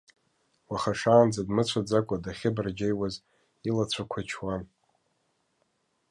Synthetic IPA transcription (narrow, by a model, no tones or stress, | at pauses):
waχaʂaːnd͡zadmɨt͡ɕʷʰad͡zakʷʼadaχʲɪbrd͡ʒejwaz | ilat͡sʷʰakʷʰat͡ʃʰwan